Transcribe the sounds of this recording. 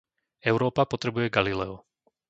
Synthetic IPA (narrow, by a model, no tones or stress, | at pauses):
ɛʊɾɔːpapɔt̪ɾɛbujɛɡalilɛɔ